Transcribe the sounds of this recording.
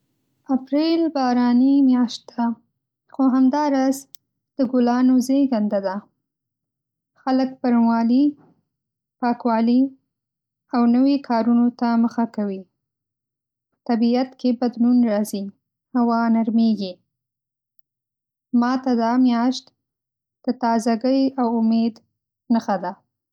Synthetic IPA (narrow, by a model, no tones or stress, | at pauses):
apɾelbɑɾɑnimjɑʃt̪̚ːa | xoɦamd̪ɑɾɑz | d̪̥əɡʊlɑnozeɡand̪ad̪a | xalək̚pəɾnwɑli | pɑkwɑli | awnəwikʰɑɾunot̪aməxakawi | ət̪abiat̪kʰebad̪lunɾɑzi | hawɑnaɾmeɡi | mɑt̪ad̪ɑmjɑʃt̪ | d̪̥ət̪ɑzaɡəjawʊmed̪ | nəxad̪a